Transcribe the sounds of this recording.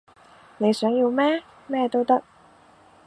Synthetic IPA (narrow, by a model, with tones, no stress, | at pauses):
ne˨˧jsœː˨˥ŋji˧wmɛː˥ | mɛː˥t̪o˥wt̪ɐ˥k̚